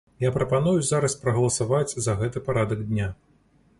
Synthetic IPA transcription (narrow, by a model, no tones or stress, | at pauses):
japɾɐpanujuzaɾɐspɾɐɣɐlˠɐsavat͡sʲzɐɣɛt̪ɨpaɾad̪ɐɡd̪ʲnʲa